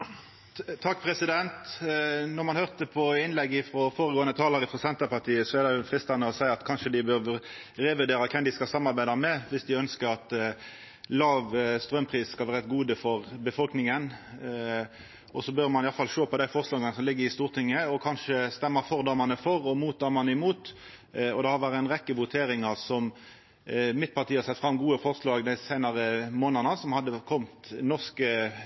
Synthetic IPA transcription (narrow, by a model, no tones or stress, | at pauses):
t̪ʰɑkːpʰɾɛsɪd̪ɛnt̪nɔʁmɑnhøʁt̪əpʰɔɪnlɛɡːɪfɾɔfoːɾəɡoːənət̪ʰɑːləɾɪfʁɔsɛnt̪ɑpɑʁt̪ʰiːəsɔɛd̪ɛfʁɪst̪ɑnəɔsæɪɑt̪kʰɑnʂəd̪ɪbø | ɾɛːʋʉd̪eːɾɑkʰɛmd̪ɪskɑsɑmːɑʁbæɪd̪ɑmɛʋɪsd̪ɪœnskəɾɑt̪ | lɑːʋst̪ʁœmpʰʁiːsskɑlʋæːɾɛt̪ɡuːd̪əfɔʁbəfɔlknɪŋən | ʔɔsɔbøɾmɑnɪɑlfɑlʃoːpɔd̪æɪfɔʁslɑːɡənəsɔmlɪɡːəɾɪst̪uːʁt̪ʰɪŋːəɔkʰɑnʂəst̪ɛmːəɾfɔʁd̪ɑmɑnəfɔɾɔmuːt̪̚ʰːɑːɾmɑnəɪmuːt̪ | ɔd̪ɛhɑɾʋæːʁəæɪnʁɛkːəʋʊt̪ʰeːɾɪŋɑʁsɔm | mɪt̪̚pɑʁt̪iːɑsɛt̪ːfɾɑmɡuːəfɔʁslɑːɡd̪æɪsæɪnɑʁəmoːnənəsɔmhɑd̪ːəkʰɔmt̪nɔʁskə